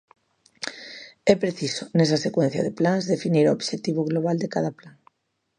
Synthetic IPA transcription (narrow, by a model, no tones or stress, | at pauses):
ɛpɾeθisonɛs̬asekwɛ̃n̟θja̰ðeplanzðefiniɾoobʃet̪iβ̞oɣloβ̞ald̪ekaðaplaŋ